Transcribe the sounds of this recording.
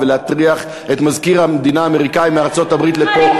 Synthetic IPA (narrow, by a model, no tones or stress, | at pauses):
veleatʁiaχ | etmazkiʁamed̪inaːmeʁikaimeaʁt͡sotabʁit̪lepo